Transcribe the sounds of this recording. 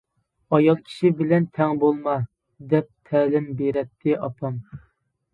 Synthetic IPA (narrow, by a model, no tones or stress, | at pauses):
ɑjɑlˠkʲʰi̥ʃibɪlɛnt̪ʰɛŋbolˠmɑ | d̪ɛp̚t̪ʰɛːlɪmbeɾɛt̪ʰːɪʔɑpʰɑm